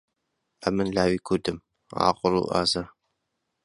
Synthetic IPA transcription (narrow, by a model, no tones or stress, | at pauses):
ɐmɨnɮaːwiːkʷʰud̪ɨm | a̰ːqʷʼʊɾṵʔa̰ːzɐ